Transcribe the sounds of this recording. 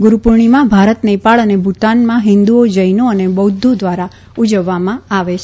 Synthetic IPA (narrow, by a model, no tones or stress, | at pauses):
ɡʊɾupuɾɳimãbʱaɾət̪nəjpaɭənebʱut̪anmãɦɪ̃nd̪uod͡ʒəjnoənebəwd̪ʱːod̪ʋaɾa | ud͡ʒəʋːamãaʋet͡ʃʰ